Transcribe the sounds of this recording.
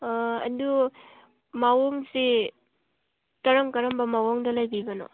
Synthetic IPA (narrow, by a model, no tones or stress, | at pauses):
ɐ̰du | mawoŋsi | tɐɾɐŋkɐɾɐmbɐmawoŋdɐlajbibɐno̰